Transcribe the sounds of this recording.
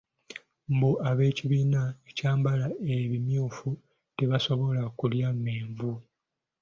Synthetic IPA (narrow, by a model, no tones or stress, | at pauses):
mbuʔaβe̞ːciβiːnaecaːmbalae̞βimjuːfu | te̞βaso̞βo̞lakuljameːɱvu